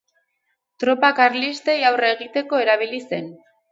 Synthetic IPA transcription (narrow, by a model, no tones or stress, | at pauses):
t̪ɾo̞pakaɾlist̪e̞jawreɣ̞it̪e̞ko̞e̞ɾaβ̞ilise̞n